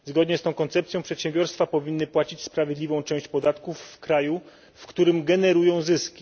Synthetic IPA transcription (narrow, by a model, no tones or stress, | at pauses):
zɡɔd̪ɲɛst̪ɔ̃w̃kɔnt̪sɛp̚tsʲjɔ̃pʂɛt̪ɕɛ̃mbʲjɔɾst̪fapɔvʲinːɘpwat͡ɕit͡ɕspɾavʲjed̪lʲivɔ̃w̃t͡ʂɛ̃w̃ɕt͡ɕpɔd̪at̪kufːkɾaju | fkt̪uɾɘmɡɛnɛɾujɔ̃w̃zɘskʲi̥